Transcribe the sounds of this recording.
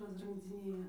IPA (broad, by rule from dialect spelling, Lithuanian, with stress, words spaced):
rɐsrɨŋɡd͡zʲɪˈnʲeːjɛ